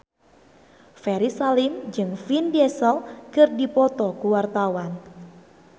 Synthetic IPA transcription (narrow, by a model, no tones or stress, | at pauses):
fɛɾisalimd͡ʒɨŋfindɛsəlkɨrdipɔt̪ɔkuwart̪awan